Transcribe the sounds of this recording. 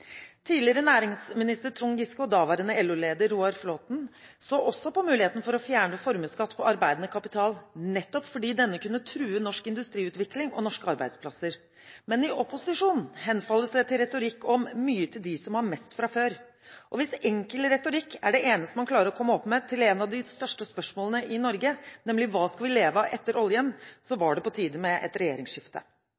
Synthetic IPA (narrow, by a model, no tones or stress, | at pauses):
t̪ʰiːlɪəɾənæːɾɪŋsmɪnɪst̪ət̪ʰɾʊŋɡɪskʊd̪ɑːʋæɾənəɛlʉleːd̪əɾːuːɑɾfloːt̪n̩soːʔɔsːɔpɔmʉːlɪheːt̪n̩fɔɾɔfjæːɳəfɔɾməskɑt̪ːpʰɔʔɑɾbæɪd̪ənəkʰɑpɪt̪ʰɑːlnɛt̪ːɔpfɔɖiːd̪ɛnːəkʉnːət̪ʰɾʉːənɔʂkɪnd̪ʉst̪ɾiːʉːt̪ʋɪklɪŋɔ̰nɔʂkəɑɾbæɪd̪spʰlɑsəɾ | mɛnɪʔɔpʊsɪʂuːnn̩ɦɛnfɑlːəsd̪ɛt̪ʰɪlɾɛt̪ʊɾɪkːɔmːyːət̪ʰɪld̪ɪsɔmhɑɾmɛst̪fɾɑføːɾ | ʔɔʋɪsɛŋkəlɾɛt̪ʊɾɪkːæɖɛʔeːnəst̪əmɑnkʰlɑːɾəɾɔkʰɔmːəɔpmɛt̪ʰɪlɛːnɑʋd̪ɪst̪œʂʈəspœʂmoːlənəʔɪnɔɾɡənɛmlɪʋɑːskɑlʋɪleːʋəʔɛt̪ːəɾɔljənsɔʋɑɖɛpɔt̪ʰiːd̪əmɛʔɛ̰t̪ɾɛjeːɾɪŋsʂɪft̪ə̰